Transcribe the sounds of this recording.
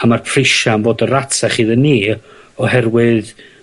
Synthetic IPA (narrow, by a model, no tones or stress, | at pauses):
amarpʰrɪʃanboːdəɾatʰaχiːðənːiː | ɔhɛrwɨð